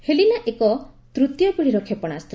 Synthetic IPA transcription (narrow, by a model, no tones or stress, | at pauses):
helinaʔekɔt̪ɾut̪jɔpiɽ̤iɾɔkʰepɔɽ̃ast̪ɾ